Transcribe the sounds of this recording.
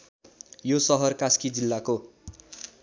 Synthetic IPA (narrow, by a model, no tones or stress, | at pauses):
josʌɦʌrkaskid͡zilːako